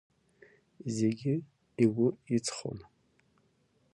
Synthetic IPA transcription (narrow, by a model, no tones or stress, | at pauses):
ze̞ɡʲɪ | iwʊit͡sʰχo̰n